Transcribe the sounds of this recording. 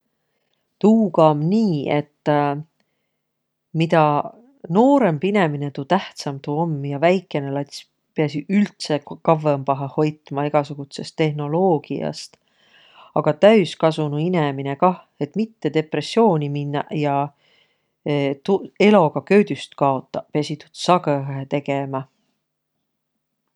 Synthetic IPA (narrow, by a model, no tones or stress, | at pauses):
t̪uːkɑmniːe̞t̪ː | mit̪ɑ | no̞ːɾe̞mpine̞mine̞t̪uːt̪æht̪sɑmt̪uomːjɑvæjkːˑe̞nelɑt̪sʲ | peɑs̬iylt̪sekɑvːempɑɦɑho̞jt̪ˑmɑeɡ̥ɑsuɡ̥ut̪se̞st̪ːe̞ɦno̞lo̞ːɡ̥ḭɑ̰st̪ | ɑɡ̥ɑt̪æyskɑsunuine̞mine̞kɑh | e̞t̪ːˑmit̪ːe̞d̪e̞pre̞sːjo̞ːnʲiminːɑjɑ | t̪ue̞lo̞kɑkø̞ːd̪̥yst̪kɑo̞t̪ːˑɑpeɑsit̪ut̪sɑɡɤɦet̪e̞ɡemɑ